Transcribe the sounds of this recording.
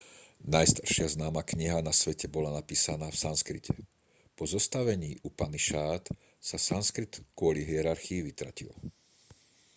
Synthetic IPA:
najst̪ḁɾʃɪaznaːmakɲiɦanasʋɛcɛbɔlanapiːsanaːfsanskɾicʰɛ | pɔzɔst̪aʋɛɲiːʔupaniʃaːt̪ | sasanskɾit̪kʊɔliɦiɛɾaɾxiːʋit̪ɾa̰cḭl

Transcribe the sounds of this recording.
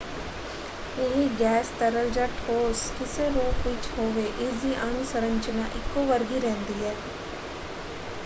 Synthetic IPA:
uːɦiɡɛːst̪ɐɾəld͡ʒaʈʰoːskɪseɾoːkʋɪt͡ʃɦoːʋeʔɪziʔanusəɾə̃ɲt͡ʃənaʔɪkːoʋɐɾɡiɾɛ̃ɦnd̪iɦɛː

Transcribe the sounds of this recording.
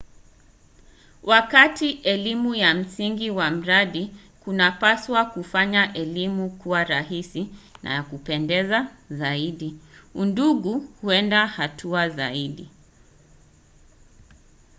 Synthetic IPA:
wʔakatiʔɛlimujam̩siŋɡiwam̩ɾaɗi | kunapaswakufaɲaʔɛlimukuwaɾahisina̰jakupɛndɛzazaiɗiunduɠuhuɛndahatʰuazaiɗi

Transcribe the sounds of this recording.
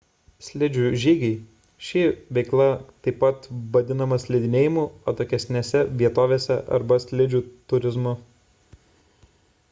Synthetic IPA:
sʲlʲɪd͡ʒʲuʒʲiːɡʲɐɪ | ʃʲɪʋʲɛɪklˠɐt̪ɐɪpːɐt̪ʋɐd̪ʲɪnɐmɐsʲlʲɪd̪ʲɪnʲeːjɪmuːot̪oːkʲɛsʲnʲesʲɛʋʲiɛt̪oːʋʲeːsʲɛʔɐ̰ɾbɐsʲlʲɪd͡ʒʲuːt̪ʊɾʲɪzmʊ

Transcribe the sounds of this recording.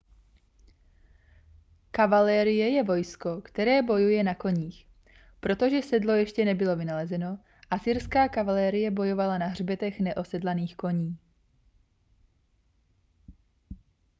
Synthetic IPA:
kavalɛːɾɪjɛjɛvo̞jsko̞kt̪ɛɾɛːbojujɛnako̞ɲiːx | pɾo̞t̪o̞ʒɛsɛdlo̞jɛʃcɛnɛbɪlo̞vɪnalɛzɛno̞ | ʔasɪɾskaːkavalɛːɾɪjɛbo̞jo̞valanaɦr̝bɛt̪ɛxnɛʔo̞sɛdlaniːxko̞ɲiː

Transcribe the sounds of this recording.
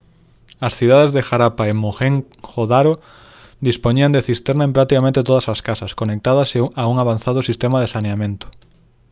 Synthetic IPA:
ɐsθiðaðezðexaɾapaemoxeŋ | xoðaɾo | d̪ispoɲiɐnd̪eθist̪eɾnaempɾak̚t̪ikamẽnt̪et̪oðɐsaskasɐskonek̚t̪aðɐseauŋaβanθaðʊsist̪emaðesaneamẽnt̪ʊ̥

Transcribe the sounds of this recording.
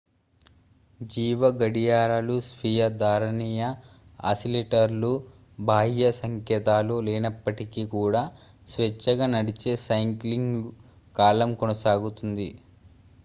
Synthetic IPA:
d͡ʒiːʋɐɡɐɽijaːɾaːlusʋijɐd̪ʱaːɾɐɳiːjɐa̰sileːʈɐɾlu | bʱaːɦijɐsɐŋkɛːt̪aːloːlɛːnɐpːɐʈikikuːɽaː | sʋet͡ʃːɐɡaːnɐɽit͡ʃe̞ːsɐjŋkliŋɡ | kaːlɐmkonɐsaːɡut̪und̪i

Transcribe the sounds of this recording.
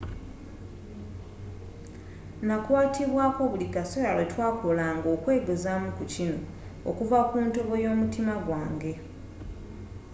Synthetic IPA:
nakwaːtiβwaːko̞βulikasojalwetwaːkolaːŋɡo̞ːkwe̞ːɡezamukucino̞ | o̰kuvakuːntoβo̞jo̞ːmutimaɡwaːŋɡe̞

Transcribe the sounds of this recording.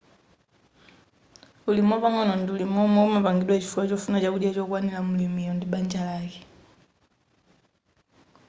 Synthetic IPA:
ulimwɔpaŋɔnɔndiulimɔmɔumapaŋɡiɗwat͡ʃifuat͡ʃɔfunat͡ʃakuɗjat͡ʃɔk̬wanilamulimiɔndiɓaɲd͡ʒalakɛ

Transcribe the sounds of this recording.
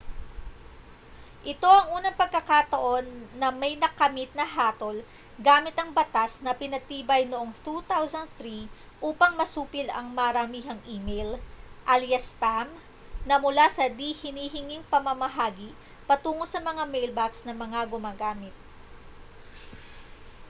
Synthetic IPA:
ʔɪt̪o̞ʔɐŋʔuːnɐŋpɐɡ̚kɐkat̪ɐʔo̞nːɐmɐjnɐkɐmit̪̚nɐɦaːt̪o̞l | ɡaːmɪt̪ɐŋbɐt̪asnɐpɪnɐt̪iːbɐjnoʔoŋt̪ut̪awsɐnd̪̚θɾi | ʔuːpɐŋmɐsuːpɪlɐ̰ŋmɐɾɐmiːɦɐŋiːmejlʔɐljɐspam | nɐmʊlasɐd̪ihɪniːɦɪŋiŋpɐmɐmɐɦaːɡi | pɐt̪uːŋo̞sɐmɐŋamɛjlbaksnɐmɐŋaɡʊmaːɡaːmɪt̪̚

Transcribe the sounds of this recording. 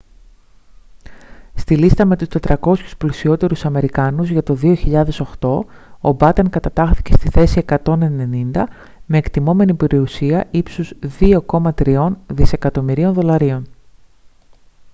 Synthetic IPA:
st̪ilist̪ɐme̞t̪ust̪e̞t̪ɾɐko̞sçu̥splisio̞t̪e̞ɾusɐme̞ɾikɐnuzʝɐt̪o̞ðio̞çiʎɐðe̞so̞xt̪o̞ | o̰bɐt̪e̞ŋkɐt̪ɐt̪ɐxθi̥ce̞st̪iθe̞sie̞kɐt̪o̞ne̞ne̞nind̪ɐ | me̞ːkt̪imo̞me̞nipe̞ɾiusiɐʔipsuzðio̞ko̞mɐt̪ɾio̞nðise̞kɐt̪o̞miɾio̞nðo̞lɐɾio̞n

